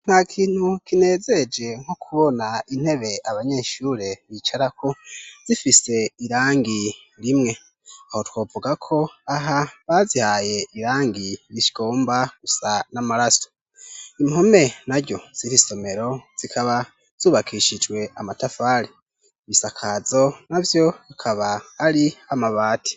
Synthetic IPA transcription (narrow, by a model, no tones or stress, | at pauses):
n̥haːkʰiːn̥hukʰine̞ːze̞d͡ʒe̞ŋ̥hokʰuβo̞nain̥he̞βe̞aβaɲe̞ʃuɾe̞βit͡ʃaɾakʰo̞z̥ifise̞iɾaːŋɡi | ɾimŋe̞ | aho̞twoːvuɡakʰo̞aɦaβazihaje̞ʔiɾaːŋɡiɾiʃi̥ɡ̥o̞ːmbaɡ̥usanamaɾaso | imhome̞naɾɟo̞z̥iɾiso̞me̞ɾo̞z̥ikʰaβa | z̥uːβakʰiʃid͡ʒwe̞amatafaːɾi | βisakʰazo̞navjo̞akʰaβaːɾiamaβaːtʰi̥